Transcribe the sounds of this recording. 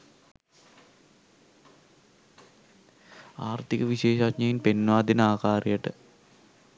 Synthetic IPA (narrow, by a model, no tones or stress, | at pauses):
aːrt̪ikɐʋiɕeːʃakɲɐjinpenːʋaːd̪inaːkaːrijɐʈːɨ̰